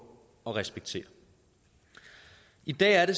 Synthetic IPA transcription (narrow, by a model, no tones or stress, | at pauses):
ɒ̽ʁɛsb̥eɡ̥̚t͡sʰe̝̰ːɐ | id̥ɛ̰ːæɐɾe̝s